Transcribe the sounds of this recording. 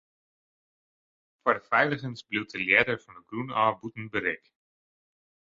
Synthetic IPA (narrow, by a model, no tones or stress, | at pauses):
farfɛjləχənsbluwt̚əljɛːdərvɑndəɡrunaːbutn̩bəɾɪk